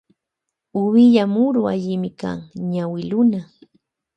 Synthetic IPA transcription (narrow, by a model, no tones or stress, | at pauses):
ʊwɪʎamʊɾʊaʎɪmɪka̰ŋɲawɪlʊna